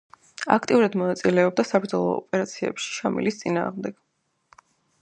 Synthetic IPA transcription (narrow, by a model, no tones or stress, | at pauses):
a̰kʰt̪ʼiuɾad̪mɔnat̪sʼilɛɔb̚d̪asapʰd̪zɔlˠɔːpʼɛɾat̪sʰiɛ̰pʃi̥ʃamḭlist̪sʼina̰ːʁmd̪ɛɡ̥